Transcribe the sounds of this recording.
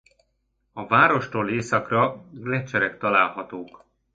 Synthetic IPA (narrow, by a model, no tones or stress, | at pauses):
ɒvaːɾo̞ʃt̪oːleːsɒkrɒɡlɛt͡ʃːɛɾɛkt̪ɒlaːlhɒt̪oːk